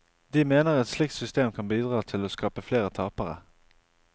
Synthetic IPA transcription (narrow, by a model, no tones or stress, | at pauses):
d̪imeːnəʁɛt̪slɪk̚t̪sʏst̪eːmkʰɑnbiːd̪ʁɑːt̪ʰɪloːskɑːpəfleːʁət̪ʰɑːpəʁə̰